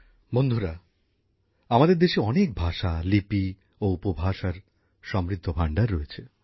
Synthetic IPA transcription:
mond̪ʱuɾa | amad̪eɾd̪eʃeɔnek̚bʱaʃalipi | oupobʱaʃaɾ | ʃɔmɾid̪ʱːobʱaɳɖaɾːoet͡ɕʰe

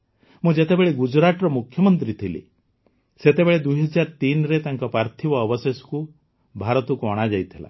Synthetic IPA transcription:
mũd͡ʒet̪ebeɭeɡud͡ʒɾaʈɔɾɔmukʰːjɔmɔnt̪ɾit̪ʰilḭ | set̪ebeɭed̪uɦɔd͡ʒaɾt̪inɔɾet̪aŋkɔpɾaɾt̪ʰibɔːbɔsesɔ̥ku | bʱaɾɔt̪ɔkuɔɽ̃ad͡ʒajt̪ʰila̰

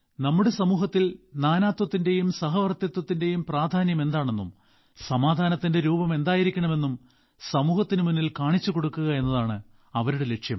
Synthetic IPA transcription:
nɐmːuɽe̞sɐmuːɦɐt̪ːilnaːnaːt̪wɐt̪ːinde̞jumsɐɦɐʋɐrt̪jɐt̪wɐt̪ːinde̞jumpraːd̪ʱaːnjɐme̞nd̪aːɳe̞nːṵm | sɐmaːd̪ʱaːnɐt̪ːinde̞ɾuːbɐme̞nd̪aːjiɾikʲːɐɳɐme̞nːum | sɐmuːhɐt̪ːinɨmunːilkaːɳit͡ɕːuko̞ɽukːuɣɐe̞nːɐðaːɳɨ | ɐʋɐɾuɽe̞le̞kʂjɐm

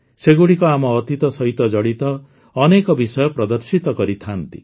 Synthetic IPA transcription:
seɡuɽikɔamɔːt̪it̪ɔsɔɦit̪ɔd͡ʒɔɽit̪ɔː | nekɔbisɔjɔpɾɔd̪ɔɾsit̪ɔkɔɾit̪ʰant̪ḭ

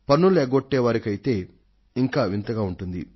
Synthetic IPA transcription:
pɐnːulɛːɡoʈːɛːʋaːɾikɐjit̪e̞ː | iŋkaːʋint̪ɐɡaːuɳʈund̪ḭ

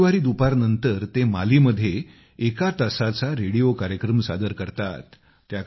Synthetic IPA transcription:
ʋaɾiːd̪upaɾnənt̪əɾt̪emaliːməd̪ʱːje | ekat̪əsat͡saɾeɽijokaɾjəkɾəmsa̰d̪əɾkəɾt̪a̰t̪ː | jak

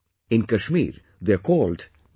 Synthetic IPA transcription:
ɪ̃nkəʃmḭːɾ | d̪ekɔːlɖ

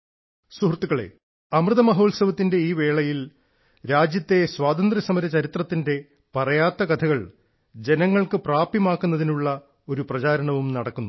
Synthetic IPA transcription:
suɦrt̪ːuɣɐɭe̞̰ | ɐmrɨðɐmɐɦo̞ːlsɐʋɐt̪ːinde̞iːʋe̞ːɭɐjil | ɾaːd͡ʑjɐt̪ːe̞swaːt̪ɐnd̪rɐsɐmɐɾɐt͡ɕɐɾit̪rɐt̪ːinde̞ | pɐrɐjaːt̪ːɐɡɐt̪ʰɐɣɐɭ | d͡ʑe̞nɐŋːɐɭkɨpraːpjɐmaːkːunːɐðinuɭːɐ | o̞ɾuprɐt͡ɕaːɾɐɳɐʋumnɐɽɐkːunːu

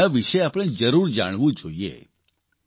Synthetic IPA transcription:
aʋiʃeapəɽ̃ed͡ʒəɾuɾd͡ʒa̰ɽ̃ʋũd͡ʒoiḛ

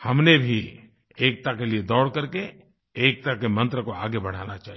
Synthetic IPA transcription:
hɐmnebʱi | eːk̚t̪akelied̪ɔːɽkɐɾke | eːk̚t̪akemɐ̃nt̪ɾəkoaːɡebɐɽ̤aːnat͡ʃaːɦi

